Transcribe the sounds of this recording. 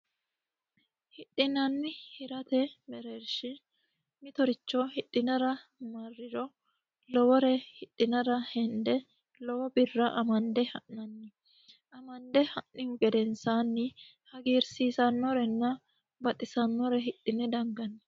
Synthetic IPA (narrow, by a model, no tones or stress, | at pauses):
hɪɗʼːɪnɐnːɪhɪɾɐt̪ɛmɛɾeɾʃɪ | mɪt̪ɔɾɪt͡ʃːɔhɪt̪ʼːɪnɐɾɐmɐrːɪɾɔ | lɔwɔɾɛhɪt̪ʼːɪnɐɾɐhɛnd̪ɛ | lɔwɔbɪrːɐʔɐmɐnd̪ɛhɐʔːɐnːɪ | ʔɐmɐnd̪ɛhɐʔɪʊɡɛd̪ɛnsaːnːɪ | hɐɡiːɾsiːsɐnːɔɾɛnːɐ | bɐt̪ʼɪsɐnːɔɾɛɦɪtːɪnɛd̪ɐŋɡɐnːɪ